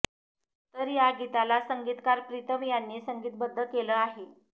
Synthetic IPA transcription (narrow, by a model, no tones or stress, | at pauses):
t̪əɾjaɡit̪alasəŋɡiːt̪kaɾpɾit̪əmjanːiːsəŋɡiːt̪̚bəd̪ʱːəkeləaɦe